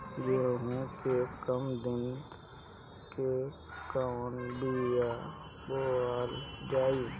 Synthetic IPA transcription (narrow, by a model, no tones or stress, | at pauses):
beːɦũkekəmd̪ɪn | ke | kanbija | boːaːld͡ʒaːi